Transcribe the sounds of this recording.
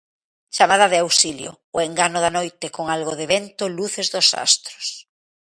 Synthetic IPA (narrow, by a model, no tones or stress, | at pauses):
t͡ʃamað̞ɐðeawsiljo̰ːeŋɡanʊðanojt̪ekoŋalɣoðeβent̪oluθezðosa̰st̪ɾo̥s